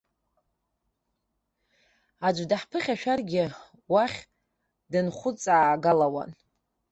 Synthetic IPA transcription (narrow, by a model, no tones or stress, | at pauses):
ad͡ʒʷdaħpʰɨχʲaʃᶣarɡʲɪ | waχʲ | dɨnχʷʊt͡sʼaːɡalawa̰n